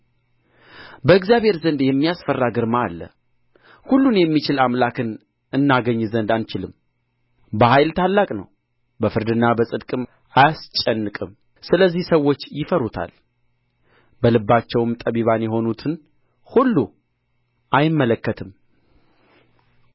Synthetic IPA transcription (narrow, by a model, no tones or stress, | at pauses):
bəɨkzjaβhe̞ɾzənd̪jɛmːijasfərːaɡɨɾmaːlːə̰ | hulːunjɛmːit͡ʃɪlamlakʰɨn | ɨnːaɡəɲːzənd̪ant͡ʃɪlɨm | bəhajlt̪ʰalːakʼnə̰w | bəfɨɾd̪ɨnːabəsʼɨd̪kʼɨm | ʔajast͡ʃʼːɛnːɨkʼɨm | sɨləzːihsəwːo̞t͡ʃːjɪfəɾut̪ʰa̰l | bəlɨbːat͡ʃːɛwɨmt̪ʼəβiβanjɛɦo̞nut̪ʰɨn | hulːu | ʔajɪmːələkːət̪ʰɨm